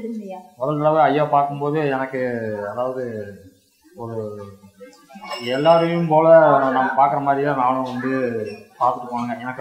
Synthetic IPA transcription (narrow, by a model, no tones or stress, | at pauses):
mɔðɐlt̪ɐɭɐʋɐɐjːaːpaːɾkɯmpoːðɯɛnɐkːɯɐðaːʋɐðɯ | ɔɾɯ | ɛlːaːɾɯjʊmpoːlɐnaːmːɐpaːɾkɯɾɐmaːd̪ɾɪlãnaːnʊ̃ʋɐnd̪ɯpaːɾt̪ɯʈːɯpːoːɳɐːŋɡɐɛnɐkː